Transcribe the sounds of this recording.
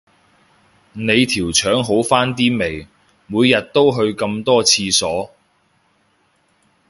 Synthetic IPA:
ne˨˧jt̪ʰiː˨˩wt͡ʃʰœː˨˥ŋɦo˨˥wfaː˥nt̪iː˥me˨˩j | muː˨˧jjɐ˨t̚t̪o˥wɦɵ˧ɥkɐ˧mt̪ɔː˥t͡sʰiː˧sɔː˨˥

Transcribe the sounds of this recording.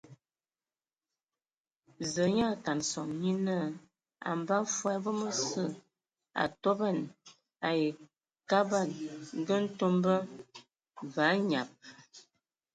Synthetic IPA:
zə˨˦ɲa˦˨ka˨nsɔ˨ŋɲi˦nə˦ | a̰˨m˨ba˦fwɛ˦bə˦mə˦sə˦˨ | a̰˨to˦bɛ˦˨n | a˨je˨ | ka˦ba˦˨tɡə˦n̩˦to˦mbə˦ | va˨˦ɲa˨p̚

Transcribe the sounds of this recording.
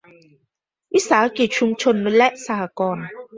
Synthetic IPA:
i˦sa˨˦ke˨t͡ʃʰu˦m˦t͡ʃʰo˦n̩ː˦u˦lɛ˦ʔsa˦a˨kɔː˦˨na˨

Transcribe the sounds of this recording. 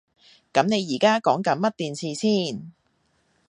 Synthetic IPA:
kɐ˨˥mne˨˧jiː˨˩kaː˥kɔː˨˥ŋkɐ˨˥nmɐ˥t̚t̪iː˨nsʰiː˨˧siː˥˩n

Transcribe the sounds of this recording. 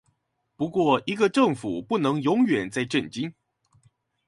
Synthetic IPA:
pu˧˥kwɔ˥˩i˧˥ɡə˧ʈ͡ʂɤ˥˩ŋfu˨˩pu˥˩nɤ˧˥ŋjʊ˧˥ŋɥɛ˨˩nt͡sa˥˧ɪʈ͡ʂə˥˨˩nt͡ɕi˥n

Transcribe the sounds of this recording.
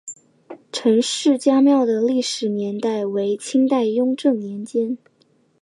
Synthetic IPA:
ʈ͡ʂʰɤ˧˥ŋʂɻ̩˥˩t͡ɕja˥mjɑ˥˩ʊd̪ə˩li˥˩ʂɻ̩˨˩njɛ˧˥nt̪a˥˩ɪwe˧˥ɪt͡ɕʰi˥ŋt̪a˥˩ɪjʊ˥ŋʈ͡ʂɤ˥˩ŋnjɛ˧˥nt͡ɕjɛ˥n

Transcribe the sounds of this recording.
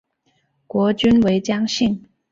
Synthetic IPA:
kwɔ˧˥t͡ɕy˥nwe˧˥ɪt͡ɕjɑ˥ŋɕi˥˩ŋ

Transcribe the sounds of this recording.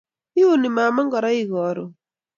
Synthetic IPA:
ɪ˦o˦ni˨ma˨ma˦ŋɡɔ˨ɾa˦ɪ˦ɣɔ˨ɾo˨

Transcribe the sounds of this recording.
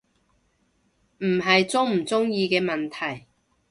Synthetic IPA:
m̩˨˩ɦɐ˨jt͡sʊ˥ŋm̩˨˩t͡sʊ˥ŋjiː˧kɛː˧mɐ˨nt̪ʰɐ˨˩j

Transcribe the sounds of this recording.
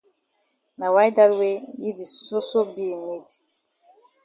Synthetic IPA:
na˨wa˦jda˦lwe˦ji˦di˨so˦so˦bi˦e˨ne˦di̥˨

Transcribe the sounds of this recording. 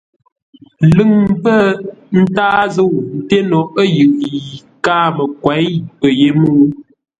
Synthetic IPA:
lɨ˦˨ŋm˦pə˦˨n̩˦taː˦zo˦˨n̩˨te˦nɔ˨ə˦jɯ˨ʔji˨kaː˦mə˨kwa˨˦jpə˨je˦mu˦˨˦

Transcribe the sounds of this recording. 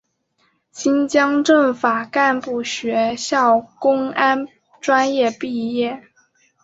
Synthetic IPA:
ɕi˥nt͡ɕjɑ˥ŋʈ͡ʂɤ˥˩ŋfa˨˩ka˥˧npu˥˩ɕɥɛ˧˥ɕjɑ˥˩ʊkʊ˥ŋa˥n | ʈ͡ʂwa˥njɛ˥˧pi˥˧jɛ˥˩

